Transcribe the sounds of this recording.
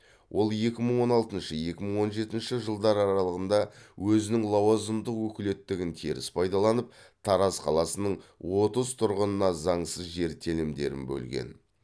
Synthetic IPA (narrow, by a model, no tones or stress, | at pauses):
wʔo̞lˠje̞kʲɪməɴwo̞nɑlˠt̪ənʃəje̞kʲɪməɴwo̞nʒe̞t̪ɪnʃɪʒəlˠd̪ɑɾɑɾɑlˠəʁənd̪ɑwɵzɪnɪŋlˠɑwɑzəmd̪əqwɵkʲɪle̞t̪ːɪɡʲɪnt̪ʰeɾɪ̰spʰɑjd̪ɑlˠɑnəp̚ | t̪ʰɑɾɑzqʰɑ̰lˠɑsənəɴwo̞t̪əzt̪ʰʊɾʁənənɑzɑɴsəzʒe̞ɾt̪ʰe̞lɪmd̪e̞̰ɾɪ̰nbɵ̰lɡʲe̞̰n